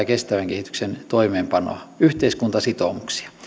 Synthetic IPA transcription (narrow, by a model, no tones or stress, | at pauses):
ɑkest̪æʋæŋkehit̪y̥ksent̪oimeːmpɑno̰yht̪eiskunt̪ɑsit̪omuksi̥ɑ̥